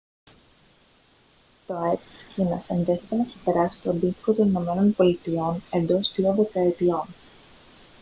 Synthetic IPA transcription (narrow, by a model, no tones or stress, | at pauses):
t̪o̞et̪i̥scinɐsenðe̞θet̪enɐksepe̞ɾɐsi̥t̪oɐnd̪it̪i̥ko̞t̪o̞nino̞me̞no̞npo̞lit̪io̞ne̞nd̪o̞st̪ɾioðe̞kɐet̪io̞n